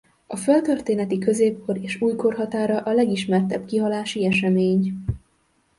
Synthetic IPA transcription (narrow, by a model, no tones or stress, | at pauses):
ɒfølt̪ø̞rt̪eːnɛt̪ikø̞zeːp̚kʰo̞ɾeːʃuːjko̞rɦɒt̪aːɾɒʔɒlɛɡiʃmɛrt̪ɛbkiɦɒlaːʃiɛʃɛmeːɲ